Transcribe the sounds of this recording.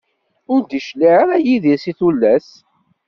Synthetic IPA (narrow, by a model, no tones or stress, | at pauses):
ʊɾd̪iʃliɾæjiðisiθulːæs